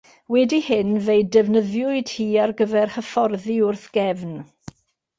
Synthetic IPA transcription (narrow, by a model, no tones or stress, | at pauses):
wɛdihɪnvejdɛvnəðjʊɨd̥hiːarɡəvɛrhəfɔrðiʊrθɡ̥ɛvn